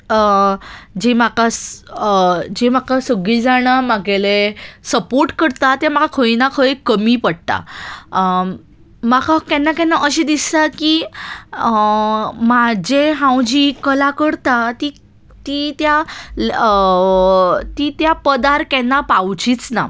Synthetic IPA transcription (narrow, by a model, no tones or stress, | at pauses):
ə | d͡ʑemakas | d͡ʑemakasəɡɭiːd͡zaɽ̃amaɡelesəpoɾʈkəɽt̪at̪jam̤akakʰəjnakʰəjkəmiːpəɽt̪a̰ | makʰakɛnːakɛnːaʔəɕed̪ist̪akiː | mad͡ʑeɦãwd͡ʑiːkəlakəɽt̪at̪i | t̪it̪ja | t̪it̪japəd̪aɾkɛnːapawt͡ɕiːt͡sna̰